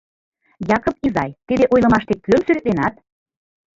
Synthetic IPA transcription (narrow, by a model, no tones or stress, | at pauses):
jɑkŏpizɑjt̪id̪eʔojlɤ̆mɑʃt̪ek̚kyəmsyɾet̪lenɑt̪̚